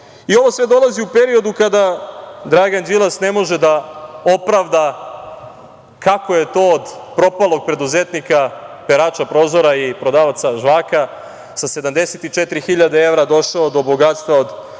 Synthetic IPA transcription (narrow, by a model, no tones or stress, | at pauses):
io̞ʋo̞sʋe̞d̪o̞lˠaziupe̞ɾio̞d̪ukad̪ad̪ɾaɡand͡ʒilˠasne̞mo̞ʒe̞d̪ao̞pɾaʋd̪a | kako̞je̞t̪o̞ːd̪pɾo̞palˠo̞ɡ̚pɾe̞d̪uzet̪nikapeɾaːt͡ʃapɾo̞zo̞ɾaipɾo̞d̪aʋat̪saʒʋaːka | sase̞d̪amd̪e̞set̪it͡ʃet̪ɾixiʎad̪ee̞ʋɾad̪o̞ʃaod̪o̞boɡat̪st̪ʋaod̪